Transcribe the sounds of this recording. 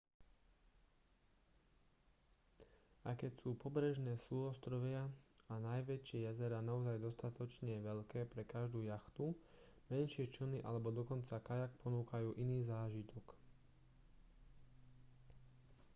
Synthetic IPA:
akɛcsuːpɔbɾɛʒnɛːsuɔst̪ɾɔʋɪaanajʋɛt͡ʃɪɛjazɛɾaːnaɔzajd̪ɔst̪at̪ɔt͡ʃɲɛʋɛʎkɛːpɾɛkaʒd̪uːjaxt̪u | mɛnʃɪɛt͡ʃəniʔa̰lɛbɔd̪ɔkɔnt͡sakajak̚pɔnuːkajuːʔiniːzaːʒit̪ʰɔk

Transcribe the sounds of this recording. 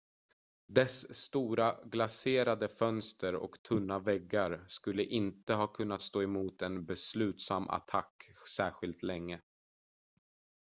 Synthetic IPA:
d̪ɛsːt̪uːɾaɡlaseːɾad̪əfœnst̪əɾɔ̰kt̪ʰɵnːavɛɡːaɾskɵlːəʔɪnt̪əɦɑːkʰɵnːat̪st̪oːɛmuːt̪ɛnbɛslʉ̟ːt̪samːʔa̰t̪ʰakːsæːɧɪlt̪lɛŋːə

